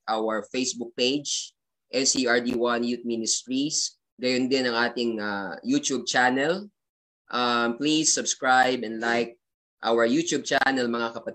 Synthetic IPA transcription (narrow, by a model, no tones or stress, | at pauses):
ʔawɐɹfejsbuk̚pejd͡ʒ | ʔɛsiaɹd̪iwanjut̪̚minɪst̪ɹis | ɡɐjond̪ɪnɐŋʔaːt̪ɪŋajut̪ub̚t͡ʃanɛl | ʔamplisːʊbskɹajbɛ̃nd̪lajk̚ | ʔaːwəjut̪jub̚t͡ʃanɛlmɐŋakɐpɐt̪